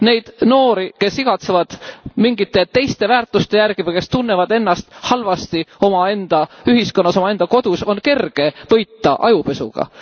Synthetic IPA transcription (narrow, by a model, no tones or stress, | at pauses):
ne̞jd̪̥no̞ːɾike̞siɡ̥ɑt̪sevɑd̪̥miŋɡit̪ːˑe̞t̪e̞jst̪e̞væːrt̪ˑust̪e̞jærɡ̥ivejke̞st̪unːevɑd̪e̞nːɑst̪hɑlvɑst̪io̞mɑe̞nd̪̥ɑyɦisko̞nːɑsomɑe̞nd̪̥ɑko̞d̪̥uso̞nke̞rɡ̥e̞vɤ̞jt̪ːˑɑʔɑjupe̞sṵɡ̥ɑ̰